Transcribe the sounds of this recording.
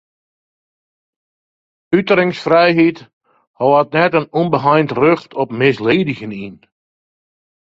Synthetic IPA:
ytəɾɪŋsfrɛjɦit | hɔwatnɛtənunbəɦajntrøxtʰɔpmɪsleːdɪɣənin

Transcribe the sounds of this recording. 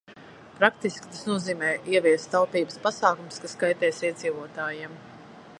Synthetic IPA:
pɾak̚t̪iskʲi̥t̪asnuɔziːmɛːiɛviɛst̪t̪ːalpiːbəspasaːkumskaskajt̪ɛːsiɛd̪ziːvuɔt̪aːjim

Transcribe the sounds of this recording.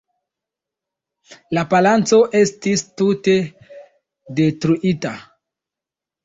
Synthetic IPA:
lapalant͡so̞ʔe̞stistute̞ | de̞tɾuʔita

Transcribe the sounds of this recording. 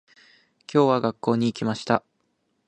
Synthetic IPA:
kʲo̞ːβaɡakːo̞ːɲ̟iːkʲimaɕi̥t̪a

